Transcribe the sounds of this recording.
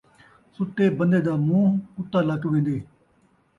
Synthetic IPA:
sʊt̪ːeːbənd̪eːd̪aːmũːɦʊt̪ːaːləkʋẽːnd̪eː

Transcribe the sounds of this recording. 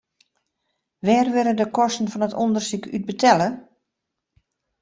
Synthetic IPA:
ʋɛːrʋɪɾədəkɔstən̩fɔnətondərsykʰyt̚bətʰɛlə

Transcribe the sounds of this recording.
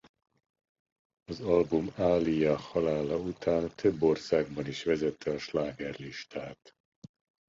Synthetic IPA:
ɒzɒlbumaːlijɒhɒlaːlɒut̪aːnt̪ʰø̞bːo̞rsaːɡ̚bɒniʃʋɛzɛt̪ʰːɛɒʃlaːɡɛrliʃt̪ʰaːt̪

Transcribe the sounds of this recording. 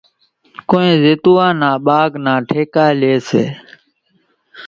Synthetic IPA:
koːẽːzɪt̪uːãːnãːɓaːɡnãːʈʰeːkaːleːsḛː

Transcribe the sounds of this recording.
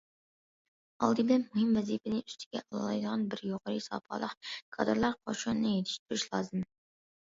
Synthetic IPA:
ɑ̰lˠd̪ɨblɛnmuhɪmvɛzipɪnɪʔyst̪ʰɪ̥ɡʲɛ̰ʔɑlˠɑ̰lˠɑjd̪əʁɑnbɪɾjoʁɑɾɨsɑ̰ːpʰɑ̰lˠəqkʰɑ̰d̪ɨɾlˠɑɾqʰɑ̰ʃunnɨjet̪ʰɪ̥ʃt̪ʰyɾyʃlˠɑːzɨm

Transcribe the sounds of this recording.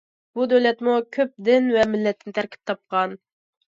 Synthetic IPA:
b̥ud̪øwlɛt̪mukʲʰøp̚d̪ɪnvɛmɪlːɛt̪ʰːɪnɪt̪ʰæɾkʲʰi̥p̚t̪ʰɑp̚qʰɑn

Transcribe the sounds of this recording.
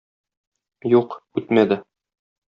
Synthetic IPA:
juqʉt̪mæd̪ɘ

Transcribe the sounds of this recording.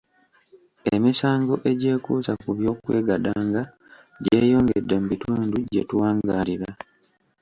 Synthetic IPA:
emisaːŋɡo̞ʔe̞ɟe̞ːkuːzakuβjo̞ːkwe̞ːɡadaːŋɡa | ɟe̞ːjo̞ːŋɡedːemubituːnduɟetuwaːŋɡaːliɾa

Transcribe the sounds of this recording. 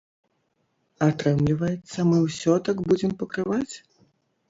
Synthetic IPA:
at̪ɾɛmlʲivɐjɛt̪sːɐmɨwsʲɔt̪aɡbud͡zʲɛmpɐkɾɨvat͡sʲ

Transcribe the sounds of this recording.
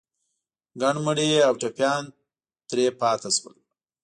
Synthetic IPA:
ɡaɳməɽeawʈapjɑn | t̪ɾepɑt̪aswə̰l

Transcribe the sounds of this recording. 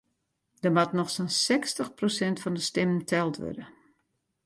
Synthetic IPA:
d̥əmatnɔxsonsɛkstəxprosɛntfɔndəstɪmntʰɛlˠtʋø̰də

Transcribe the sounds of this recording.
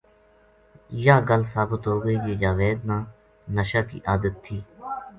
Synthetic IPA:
jaːɡəlsaːbət̪ɦoːɡəiːd͡ʒeːd͡ʒaːʋeːd̪̚nãː | nəʃaːkḭːʔaːd̪ət̪ʰːiː

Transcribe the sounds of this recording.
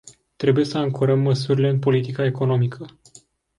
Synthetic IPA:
t̪ɾe̞buje̞səaŋkoɾəmːəsuɾile̞ɨnpo̞lit̪ikaeko̞no̞mikʰə

